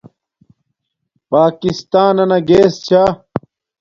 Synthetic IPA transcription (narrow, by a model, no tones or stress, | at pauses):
paːkist̪aːnɐnɐɡeːst͡ɕʰaː